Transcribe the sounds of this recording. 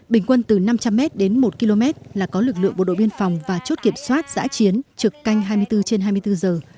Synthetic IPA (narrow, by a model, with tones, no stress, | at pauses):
ɓï˩ŋ̟kwə˧nt̪ɨ˨˩na˧mt͡ɕa˧mːɛ˦˥t̚ɗe˨˦nmo˨˩t̚ki˧lo˧mɛ˦˥t̚laː˨˩kɔ˨˦lɨ˨˩k̚lɨ̰˧˨əŋɓo˨˩ɗo̰˧˨ɓi˧ənfa˨˩wŋ͡mvaː˨˩t͡ɕo˦˥t̚ki˧˩əmswaː˦˥t̚za̰ː˧˥t͡ɕi˨˦ənt͡ɕɨ˨˩əkːa˧jŋ̟ɦaː˧jmɨ˧əjt̪ɨ˧t͡ɕe˧nɦaː˧jmɨ˧əjt̪ɨ˧zəː˨˩